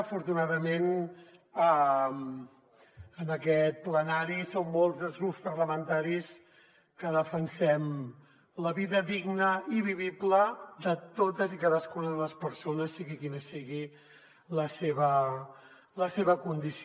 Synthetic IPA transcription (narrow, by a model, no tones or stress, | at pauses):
fuɾt̪unaðəmen | əm | ənəkɛt̪̚plənaɾisomːolˠzðəzɣɾupspəɾləmənt̪aɾis | kəðəfənsɛm | ləβiðəðiɡnəiβiβibləd̪ət̪ot̪əzikaðəskunəðələspəɾsonəsːiɣikinəsiɣi | ləseβə | ləseβəkund̪is